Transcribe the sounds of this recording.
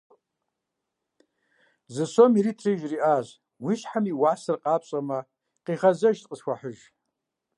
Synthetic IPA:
zɨsomiɾiːtʰriʒriʔaːʒ | wiʃħamiwaːsɨrqʼɑːpɕʼɐmɐ | qiːʁɐzɐʒtʼqʼəsxʷaħəʒ

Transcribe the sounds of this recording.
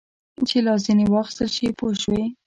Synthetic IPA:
t͡ʃelɑzinewɑxɪ̥st̪əlʃipoʃwe

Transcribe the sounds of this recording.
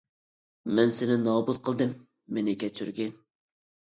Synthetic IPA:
mɛnsɪnɪnɑːbut̪̚qʰəlˠd̪ɨmː | enɪkʲɛt͡ʃʰyɾɡʲɪn

